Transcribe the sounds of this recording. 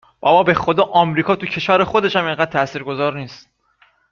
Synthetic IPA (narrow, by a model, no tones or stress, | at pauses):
b̥ɒbɒːbe̞xod̪ɒːʔɒːmɾiːkʰɒːt̪ʰucʰe̞ʃæːɾexo̞d̪e̞ʃhæmeŋɢæːd̪̚t̪ʰæʔsiːɾɡo̞zɒːɾniːst̪̚